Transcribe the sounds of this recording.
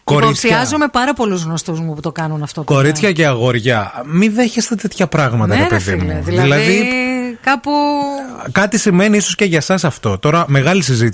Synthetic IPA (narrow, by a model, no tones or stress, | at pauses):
ko̞ɾisçiçɐzome̞pɐɾɐpo̞luzɣno̞st̪uzmuput̪o̞kɐnunɐft̪oko̞ɾit͡sçɐceɐɣo̞ɾʝɐmiðe̞çest̪e̞t̪et̪çɐpɾɐɣmɐt̪ɐepeðḭmuðlðilɐðikɐpu | kɐt̪isime̞niiso̞sceʝɐsɐsɐft̪o̞t̪o̞ɾɐme̞ɣɐlisizit̪i